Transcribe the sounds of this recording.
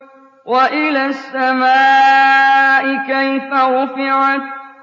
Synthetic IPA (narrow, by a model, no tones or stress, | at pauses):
waʔɪlaːsːamaː | ʔɪkajfaɾʊfɪʕat̪